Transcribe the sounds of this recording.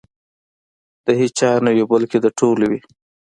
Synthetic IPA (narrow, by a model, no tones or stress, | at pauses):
d̪̥əhit͡ʃɑɾnajobəlked̪əʈʰolwi